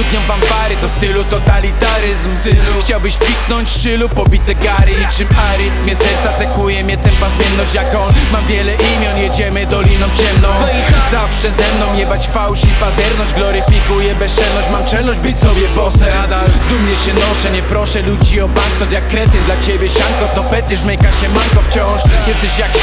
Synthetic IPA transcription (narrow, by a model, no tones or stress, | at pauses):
ud̪ɲɔ̃pampaɾɪt̪ɔst̪ɪlut̪ɔt̪alʲit̪aɾɪzmxt͡ɕawbɘɕpʲiknɔɲt͡ɕst͡ʂɪlupɔbʲit̪ɛkaɾɪɲit͡ʂɨmaɾɪt̪mʲɲɛsɛɾt̪sat̪sɛkujɛmɲɛt̪ɛ̃mpazmʲɛɾnɔɕt͡ɕjakɔnmamvʲjɛlɛʔimʲjɔnjɛd͡ʑɛmɘd̪ɔlʲinɔ̃w̃t͡ɕɛmnɔ̃w̃ | zafʂɛzɛmnɔ̃w̃ɲɛbat͡ɕfawɕipazɛɾnɔɕd͡ʑɡlɔɾɪfʲikujɛbɛst͡ʂɛlnɔɕt͡ɕmamt͡ʂɛlnɔɕd͡ʑbɨsɔbʲjɛbɔsɛ | d̪ad̪umɲɛɕɛnɔʂɛɲɛpɾɔʂɛlud͡ʑiɔbant̪ɔt̪jakːɾɛt̪ɪd̪lat͡ɕebʲjɛɕaŋkɔt̪ɔfɛt̪ɛʂmɛjkaɕɛmaɾkɔft͡ɕɔ̃w̃ʂjɛst̪ɛɕjak